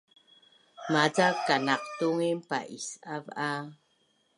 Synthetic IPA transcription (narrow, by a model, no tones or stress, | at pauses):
mad͡zakːanaq̚tuŋimpa̰ʔisava